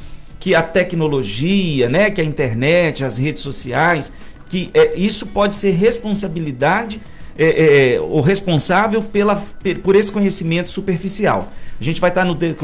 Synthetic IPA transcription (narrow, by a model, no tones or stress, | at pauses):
kɪɐt̪ɛknoloʒiɐnɛkɪɐĩt̪eɾnɛt͡ʃɪɐshed͡ʒɪsːosiajs | kɪʔɛisʊpɔd͡ʒɪseɾɦespõs̬abilid̪ad͡ʒɪ | ɛʔɛo̰wɦespõsavewpelɐpepoɾesɪ̥kõɲesimẽnt̪ʊ̥supeɾfisia̰wɐʒẽnt͡ʃɪvajt̪aɾnʊd̪e